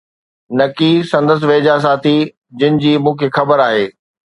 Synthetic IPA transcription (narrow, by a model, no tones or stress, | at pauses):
nɐkisɐ̃nd̪əs̬ʋeːd͡ʑas̬ãːt̪ʰi | d͡ʑɪnɪ̆d͡ʑiːmũːkʰeːxɐbəɾaːɦeː